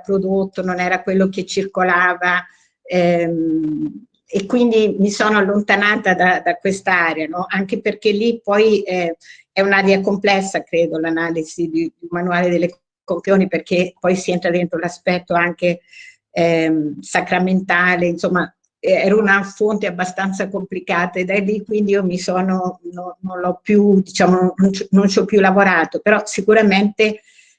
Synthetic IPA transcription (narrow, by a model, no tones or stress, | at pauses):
pɾod̪ot̪ːononɛːɾakwelːoket͡ʃːirkolaːva | ɛ | ekːwind̪imisoːnoalːont̪anaːt̪ad̪ad̪akwest̪aaːɾeanɔʔaŋkeperk̟elːipɔjɛ | ɛunaɾjakomplɛsːakɾeːd̪olanaːliz̥id̪id̪umanuaːled̪elːe | kompioːniperk̟epɔjsient̪ɾad̪ent̪ɾolaspɛt̪ːoaŋk̟e | ɛmsakɾament̪aːleinsomːa | ɛɾunafont̪eabːast̪ant̪sakomplikaːt̪aed̪alːikːwind̪iiːomisoːnononːonlɔpːjud̪it͡ʃaːmonːont͡ʃnont͡ʃɔpːjulavoɾaːt̪opeɾɔsikuɾament̪e